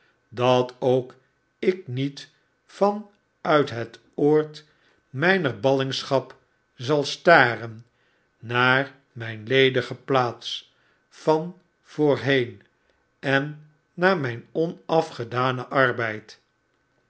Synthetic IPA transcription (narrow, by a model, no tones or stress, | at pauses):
dɑtowk | ɪk̚nit | fɑn | œɥtɦət | oːɹt | mɛjnəɹbɑlɪŋsχɑp | zɑlˠstaːrənː | aːɹ | mɛjnlejdəχəplaːts | fɑn | v̥oːɹɦejn | ɛnː | aːɹmɛjnɔnɑfχədaːnəʔɑrbɛjt